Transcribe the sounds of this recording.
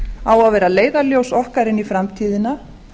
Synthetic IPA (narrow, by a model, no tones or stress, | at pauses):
aːwaðvɛːɾaleːjðaljowsɔhkaɾɪnifɾamt̪ʰiːðɪna